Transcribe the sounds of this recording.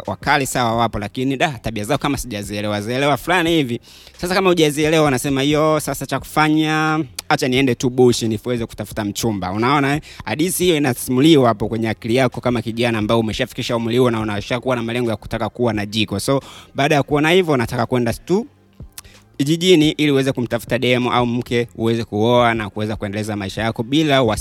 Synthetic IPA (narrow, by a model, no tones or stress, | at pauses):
wa̰kalisawawapɔlakiniɗataɓiazaɔkamasiʄaziɛlɛwaziɛlɛwafulanihivi | sasakamahuʄaziɛlɛwawanasɛmahijɔsasat͡ʃaku̥faɲaat͡ʃaniɛndɛtuɓuʃinifuwɛzɛku̥tafu̥tam̩t͡ʃumba̰unaɔnaɛaɗisihijɔinasimuliwapɔkwɛɲɛakilijakɔkamakiʄanaːmbajɔumɛʃafi̥kiʃaumuliuwɔnaunaʃakuwanamalɛŋɡɔjaku̥takakuwanaʄikɔsɔɓaːɗajakuɔnahivjɔunatakakwɛndatu | kiʄiʄiniʔiliuwɛzɛkum̩tafu̥taɗɛmɔʔaum̩kɛṵwɛzɛkuɔanakuwɛzakuɛndɛlɛzamaiʃajakɔɓilawa